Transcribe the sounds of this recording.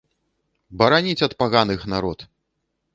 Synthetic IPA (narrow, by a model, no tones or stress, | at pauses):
bɐɾanʲit͡sʲɐt̪paɣanɨxnaɾɔt̪